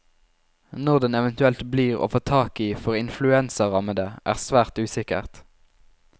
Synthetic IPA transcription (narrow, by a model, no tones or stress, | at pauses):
nɔʁd̪ɛnɛʋənt̪ʉɛlt̪bliːʁo̰ːfoːt̪ʰɑːkiːfɔʁɪnflʉɛnsəʁɑməd̪əʔæ̰ːʁsʋæːʁt̪ʉːsɪkə̰ʁt̪